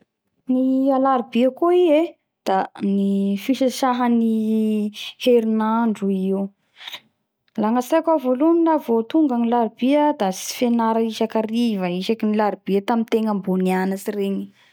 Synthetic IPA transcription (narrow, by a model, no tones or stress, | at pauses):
nialaɾibiəkoie | d̪̥anifiʃəʃaɦəni | heɾinaɳɖ͡ʐuiu | laŋasakavolunilavot̪uŋɡənilaɾibiəd̪asi̥fenaɾaiʃakarivəiʃakinilaɾib̥iət̪amint̪eŋəmbunianasireɲi̥